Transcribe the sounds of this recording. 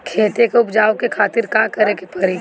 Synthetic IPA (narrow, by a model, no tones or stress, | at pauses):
kʰeːt̪ekeʊpd͡ʒaːokekʰaːt̪ɪɾkaːkɐɾekepɐɾi